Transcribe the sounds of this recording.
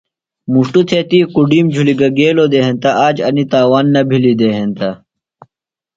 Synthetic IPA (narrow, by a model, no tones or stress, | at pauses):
muʂʈut̪ʰet̪ikuɖiːmd͡ʑʱuliɡɐɡeːlod̪eɦent̪aʔaːd͡ʑɐnit̪aːwaːnːɐbʱilid̪eɦent̪ɐ